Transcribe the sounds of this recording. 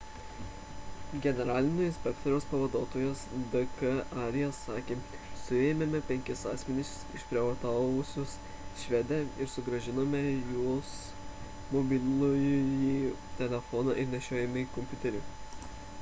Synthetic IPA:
ɡʲɛnʲɛɾɑːlʲɪnʲoːsɪnsʲpʲɛkt̪ɔɾʲɛːspɐʋɐd̪oːt̪oːjosd̪ɐkɐʔɑːɾʲɪjɛsɑːkʲeːsʊeːmʲɛmʲɛpʲɛŋʲkʲɪsɑːsʲmʲɛnʲɪsʲ | ɪʃʲpʲɾʲɛʋɐt̪ɑːʋʊsʲʊs | ʃʲʋʲɛd̪ʲæɪɾsʊɡɾɐʒʲɪnoːmʲɛjoːs | mɔbʲɪlʲlʲujji | t̪ʲɛlʲɛfɔnɑ̰ʔɪɾnʲɛʃʲoːjɛmʲɪkɔmʲpʲʊt̪ʲɛɾʲʊ

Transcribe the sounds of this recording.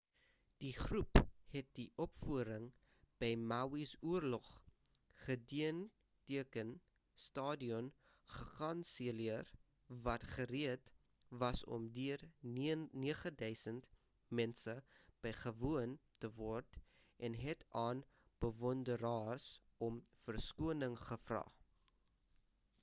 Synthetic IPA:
d̥iχruphɛt̚diʔɔpfuəɾəŋ | b̥ɛjmawisuərlɔχ | χədiən | tiəkən | stɑːdiɔn | χəkɐnsiəliər | vɐtχəɾiət | vɐsɔ̰mdyər | niəχədœɥsənt | mɛnsəb̥əjχəvuəntəvɔrt | ʔɛnɦɛtʰɑːn | b̥əvɔndəɾɑːrs | ɔmfərskuənəŋχəfrɑ̰ː

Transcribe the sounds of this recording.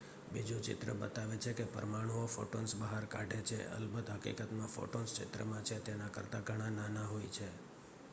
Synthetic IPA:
bid͡ʒut͡ʃɪ̰t̪ɾə̰bə̰t̪aʋet͡ʃʰekepə̰ɾmaɽ̃uofo̰ʈonsbəɦaɾkaɖʱet͡ʃʰḛə̰lbəd̪ɦəkḭkət̪mãfo̰ʈonst͡ʃɪ̰t̪ɾə̰mãt͡ʃʰet̪enakəɾt̪aɡʱəɽ̃ãnanaɦoit͡ʃʰe

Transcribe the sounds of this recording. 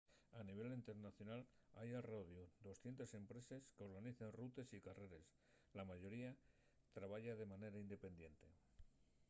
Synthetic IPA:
aniβ̞e̞lint̪e̞ɾnaθjo̞nalajalro̞ðjud̪o̞sθje̞nt̪ese̞mpɾe̞se̞skeo̞ɾɣaniθenrut̪e̞sikare̞ɾe̞s | lamaʝo̞ɾia | t̪ɾaβaʝaðe̞mane̞ɾaind̪e̞pe̞nd̪je̞nt̪e̞

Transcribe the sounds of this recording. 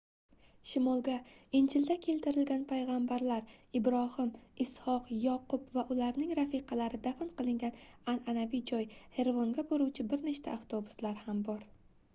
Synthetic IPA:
ʃɪmɒlˠɡʲaɪnd͡ʒɪld̪akʲʰe̞lt̪ʰɪɾɪlɡʲanpʰajʁɑmbaɾlaɾɪbɾɒhɪmɪshɒqjɒqʰʊpvaʔʊlaɾnɪŋɾafiqʰɑlaɾɪd̪afɪnqɨlˠɪŋɡʲanananavijd͡ʒɒjhe̞ɾvɒŋɡʲaboɾuwt͡ʃʰɪbɪɾneʃt̪ʰa̰ːft̪ʰobʊ̥slaɾhambɒɾ

